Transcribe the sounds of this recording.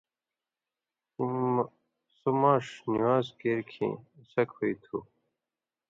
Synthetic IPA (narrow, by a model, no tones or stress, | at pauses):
sumaːʂniwaːzkeɾkʰḛ̃ːsɐkhoit̪ʰu